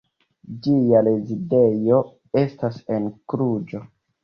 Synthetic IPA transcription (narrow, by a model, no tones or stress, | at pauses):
d͡ʒialezide̞jo̞ | e̞stasenkɾud͡ʒo̞